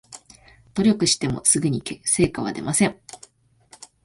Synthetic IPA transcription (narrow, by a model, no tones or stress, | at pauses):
t̪o̞ɾʲo̞kɯ̟ɕi̥t̪e̞mo̞̰sɨɡɯɲ̟ikese̞ːkaβ̞a̰d̪e̞̰mʔasẽ̞ŋ